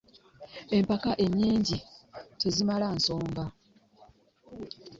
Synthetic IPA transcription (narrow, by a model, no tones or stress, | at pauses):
e̞mpakaʔe̞ɲːiːɲɟito̞zimalansoːmɡa